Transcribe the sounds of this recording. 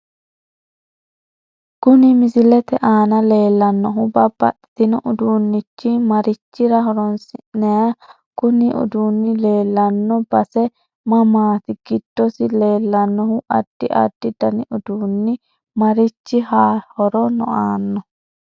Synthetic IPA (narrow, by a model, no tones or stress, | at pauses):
kʊnɪmɪzɪlɛt̪ɛʔaːnɐle̞ːlːɐnːɔɦʊbɐbːɐ̰t̪ːɪ̥t̪ɪnɔʔʊd̪uːnːɪt͡ʃːɪmɐɾɪt͡ʃːɪɾɐɦɔɾɔnsɪnːɛja | kʊnɪʔʊ̰d̪uːnːɪle̞ːlːɐnːɔbɐsɛ | mɐmaːt̪ɪɡ̥ɪd̪̥ːɔsɪle̞ːlːɐnːɔhʊʔɐd̪̥ːɪʔɐ̰d̪ːɪd̪ɐnɪʔʊd̪uːnːɪ | mɐɾɪt͡ʃːɪhaːhɔɾɔnɔ̰ʔaːnːɔ